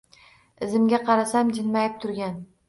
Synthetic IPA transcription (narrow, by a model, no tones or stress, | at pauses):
ɪzɪmɡʲaqʰɑɾasamd͡ʒɪnmajɪp̚t̪ʰʊɾɡʲan